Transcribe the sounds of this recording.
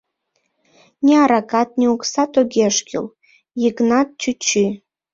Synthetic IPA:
nʲeɑɾɑkɑt̪̚nʲeuksɑt̪oɡʲeʃkʲḭl | jiknɑt̪̚t͡ʃyt͡ɕy

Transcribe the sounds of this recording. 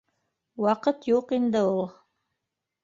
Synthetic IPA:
wɑqɤt̪juqind̪ɘulˠ

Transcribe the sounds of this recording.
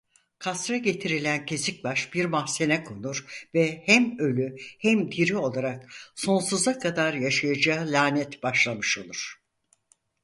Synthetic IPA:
kʰasɾaɟe̞t̪ʰiɾilʲæncʰe̞sic̚baʃb̥iɾmahse̞nɛkʰonuɾvɛhæmø̞lʲyhæmd̪ʰiɾio̞lˠaɾak̚so̞nsuzakʰad̪aɾjaʃajad͡ʒalʲaːnɛt̪b̥aʃlˠamɯʃo̞lˠuɾ̥

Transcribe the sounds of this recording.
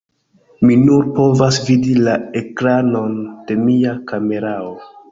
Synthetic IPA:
minuɾpo̞vasvidilae̞kɾano̞nd̥e̞miakame̞ɾao

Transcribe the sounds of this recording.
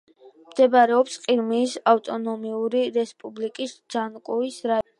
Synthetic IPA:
md̪̥ɛbaɾɛɔpsqʼiɾmiːsaft̪ʼɔnɔmiuɾiɾɛspʼublikʼisd̪z̥ankʼuisɾa

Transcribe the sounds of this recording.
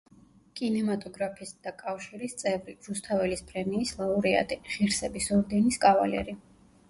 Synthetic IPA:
kʼinɛmat̪ʼɔɡɾapʰisd̪̥akʼafʃiɾist̪sʼɛvɾiɾust̪ʰavɛlispʼɾɛmiːslˠauɾia̰t̪ʼiʁiɾsɛbisɔɾd̪ɛniskʼava̰lɛ̰ɾi

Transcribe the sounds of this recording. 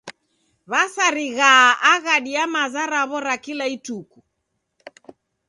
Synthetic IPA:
βasaɾiɣaːʔaɣaɗiamazaɾaβɔɾakilaituku

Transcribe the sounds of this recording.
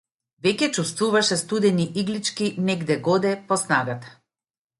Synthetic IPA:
vɛcʲɛt͡ʃust̪vuvaʃɛst̪ud̪ɛniʔiɡlit͡ʃkinɛɡd̪ɛɡɔd̪ɛpɔsnaɡat̪ḁ

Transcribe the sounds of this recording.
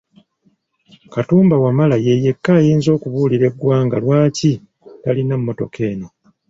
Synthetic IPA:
katuːmbawamalaje̞je̞kːaːjiːnzo̞ːkuβuːliɾe̞ɡwaːŋɡalwaːci | talinamːo̞to̞̰kʰe̞ːno̞

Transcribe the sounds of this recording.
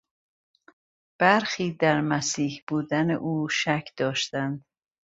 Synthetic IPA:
b̥æɾxiːd̪æɾmæsiːhb̥uːd̪æneʔuːʃæcʰd̪̥ɒːʃt̪ænd̪̥

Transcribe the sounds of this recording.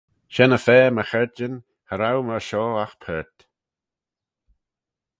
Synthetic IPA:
ʃɛnəfɛːməxɛɹd͡ʒən | həɾawməʃɔːaxpʰɛɹt̪

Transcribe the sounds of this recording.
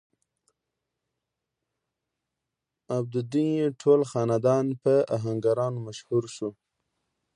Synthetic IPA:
ab̚d̪əd̪injeʈʰolxɑnad̪ɑnpəaɦaŋɡaɾɑnomaʃhuɾʃu

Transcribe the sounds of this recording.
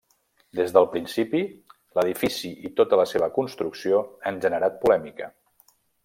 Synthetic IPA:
d̪ezðəlˠpɾinsipi | ləðifisiʔit̪ot̪ələseβəkunst̪ɾuksioanʒənəɾat̪̚pulɛmikə

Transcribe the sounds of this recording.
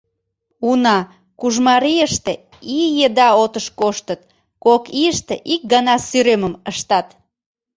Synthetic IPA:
unɑ | kuʒmɑɾiəʃt̪e | ijed̪ɑot̪əʃkoʃt̪ət̪̚ | kokiəʃt̪eʔik̚ɡɑnɑsyɾøməməʃt̪ɑt̪

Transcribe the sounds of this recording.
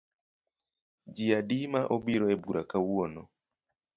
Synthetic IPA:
d͡ʒiaɗimaʔobiɾɔɛbuɾakawuɔnɔ̰

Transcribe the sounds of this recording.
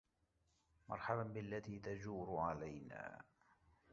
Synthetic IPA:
mɑ̰ɾˤħabanbɪalːat̪iːt̪ad͡ʒuːɾʊʕalajna̰ː

